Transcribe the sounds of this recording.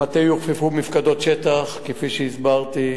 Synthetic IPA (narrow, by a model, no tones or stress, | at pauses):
at̪ejuʁfifumifkad̪o̞t̪ʃet̪aχkefiʃeizbaʁt̪i